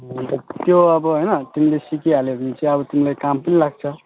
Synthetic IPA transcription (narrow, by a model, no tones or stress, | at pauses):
ɦnt̪ʌt̪joʌbʌɦojnʌt̪imilesikialebit͡sʰiʌbʌt̪imilekampənilaɡ̚t͡sʰʌ